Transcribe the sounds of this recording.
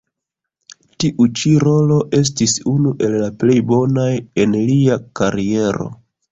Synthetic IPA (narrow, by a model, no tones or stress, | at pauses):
tiʔut͡ʃiɾo̞lo̞ʔe̞s̬tisunuʔe̞lːaple̞jbo̞naje̞nliakaɾie̞ɾo̞̰